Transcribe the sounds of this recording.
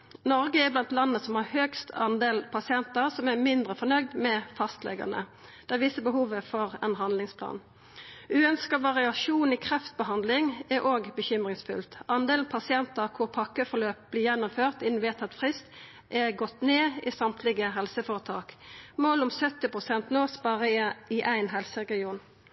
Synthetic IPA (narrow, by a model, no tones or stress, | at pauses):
nɔʁɡəɛblɑnt̪lɑnːəsɔmhɑʁhøːkst̪ʰɑnd̪eːlpʰɑsɪɛnt̪əʁsɔmɛmɪnd̪ʁəfɔʁnœɡd̪mɛfɑst̪lɛ̰ɡɑ̰nə̰ | d̪̥ɛʋɪsəbəɦuːʋəfɔʁɛnɦɑnd̪lɪŋspʰlɑ̰ːn | ʉːœnskəʋɑʁɪɑʃuːniːkʰʁɛft̪̚bəɦɑnd̪lɪŋɛɾʔoːɡbəçʏmʁɪŋsfʉ̰lt̪ɑnd̪eːlnpʰɑsɪɛnt̪əʁkʰʊʁpʰɑkːəfɔʁløːp̚b̥lɪːjɛnːʊmføːʁt̪ɪnn̩ʋeːt̪ʰɑt̪fʁɪst̪ | ʔɛʁɡɔt̪ːneːɪsɑmt̪ʰlɪɡəɦɛlsəfoːʁət̪ʰɑ̰ːkmoːlʊmsœt̪ːɪpʁʊsɛnt̪noːsbɑʁəɪʔæɪnɦɛlsəʁɛɡɪuːn